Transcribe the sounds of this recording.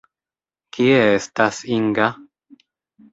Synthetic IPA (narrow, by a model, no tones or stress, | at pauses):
kʰieest̪asiŋɡa